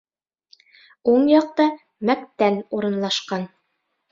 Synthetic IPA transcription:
uɴjɑq̚t̪ɑ | mæk̚t̪ænuɾɤ̆nlˠɑʃqɑn

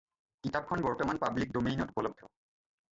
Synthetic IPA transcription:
kitap̚kʰɔnbɔɹtɔmanpablik̚domijnɔtupɔlɔb̚dʱɔ

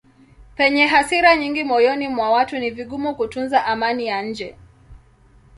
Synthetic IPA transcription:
pɛɲɛɦasiɾaɲiŋɡimɔjɔnimwawatuniviɠumukutunzaʔamanijaɲ̩d͡ʒɛ

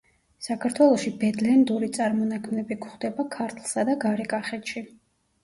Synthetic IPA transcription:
sakʰaɾt̪ʰwɛlˠɔʃibɛd̪lɛnd̪uɾit̪sʼaɾmɔnakʰmnɛbikʰχd̪ɛbakʰaɾt̪ʰlˠsad̪aɡaɾɛkʼaχɛt̪ʃi

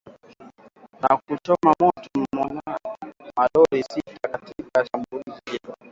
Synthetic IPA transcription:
nakutɔmamɔtɔm̩mɔnamaɗɔɾisitʰakatikaʃambuliziɛa

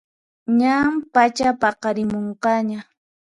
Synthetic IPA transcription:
ɲampat͡ʃapɑqɑɾɪmoɴqɑɲa

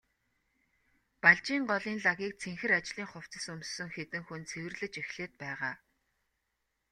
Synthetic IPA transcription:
paɮt͡ɕiːɴɢɔɮiːnɮaɣʲiːk̚t͡sʰeŋxɘ̆ɾat͡ɕɮiːŋχʊw̥t͡sə̆sɵmssːɵ̆ŋxet̪ɘ̆ŋxunt͡sʰewɘ̆rɮɘ̆t͡ɕexɮeːt̪̚pæːʁaː

